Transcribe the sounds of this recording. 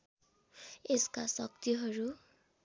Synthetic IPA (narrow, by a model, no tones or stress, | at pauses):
eskasʌk̚t̪iɦʌɾu